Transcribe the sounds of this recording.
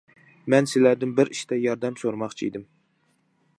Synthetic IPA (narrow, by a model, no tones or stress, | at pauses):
mɛnsɪlæɾd̪ɪnbɪɾiʃt̪ɛjɑɾd̪ɛmsoɾmɑχt͡ʃʰiḭd̪ɪm